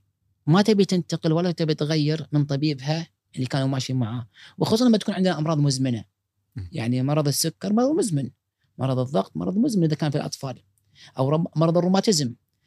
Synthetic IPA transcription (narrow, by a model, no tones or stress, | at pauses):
mat̪abit̪ɪnt̪ɑqɪlwalːat̪abit̪ɣajːɪɾmənt̪ˤɑbiːbɦa | ʔɪlːikaːnumaːʃimaʕaːwxsuːsˤɑʔamːat̪akuːnʕɪnd̪naʔɑmɾˤɑːðˤmʊzmɪna | jaʕnimɑɾˤɑðˤɨsːʊkːɑɾˤmɑɾˤɑðˤmʊzmɪn | mɑ̰ɾˤɑðˤɨðˤːɑɡt̪ˤmɑ̰ɾˤɑðˤmʊzmɪnʔɪðakaːnfilʔɑ̰t̪ˤfɑːl | ʔawɾˤɑmɑɾˤɑðˤɨrˤːʊmaːt̪ɪzɪm